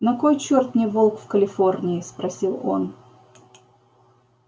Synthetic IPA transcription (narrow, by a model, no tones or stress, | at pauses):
nɐkojt͡ɕort̪nʲɪjvolˠkfkəlʲɪfornʲɪɪspɾɐsʲilˠo̞̰n